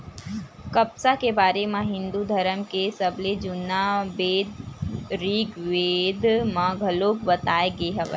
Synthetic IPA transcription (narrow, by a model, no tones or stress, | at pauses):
kəpsakebaːɾemẽɦɪ̃nd̪ud̪ʱəɾəmkesəbled͡ʒʊnːabeːd̪ɾiːɡʋeːd̪mãɡʱɐloːkbət̪aːeɡeɦɛʋḛ